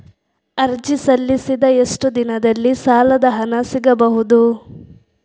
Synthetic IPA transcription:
ɐɾd͡ʒisɐlːisid̪ɐeʂʈud̪inɐd̪ɐlːisaːlɐd̪ɐɦɐnɐsiɡɐbɐɦud̪u

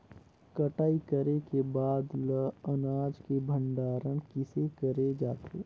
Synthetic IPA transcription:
kɐʈaːikəɾekebaːd̪ləənaːd͡ʒkebʱə̃ɳɖaːɾəñkɪsekəɾed͡ʒaːt̪ḛː

